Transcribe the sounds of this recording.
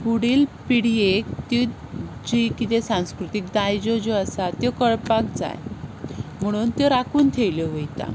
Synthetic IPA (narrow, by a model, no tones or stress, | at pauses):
kuɽiːlpiɽiekt̪id͡ʑikit̪esãw̃skɾut̪ik̚d̪ajd͡ʑod͡ʑɔəsat̪jɔkəɭpak̚d͡za̰j | m̤əɽ̃uːnt̪jɔɾakuːnt̪ʰeʋljɔʋojt̪a̰